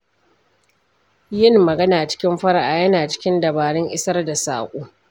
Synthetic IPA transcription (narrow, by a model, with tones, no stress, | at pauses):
jɪ˦nːɐ˨ɡɐ˦naː˨t͡ʃɪ̥˦kʲɪ˦mɸɐ˦ɽa˨ʔaː˨jɐ˦naː˨t͡ʃɪ̥˦kʲɪ˦ndɐ˨baː˨ɽɪ˦ŋʔɪ˦sɐ˦rda˨sa̰ː˨kʷʼuː˦